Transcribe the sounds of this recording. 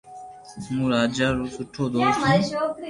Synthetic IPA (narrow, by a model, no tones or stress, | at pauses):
muɾaːd͡ʑaɾusuʈʰod̪ot̪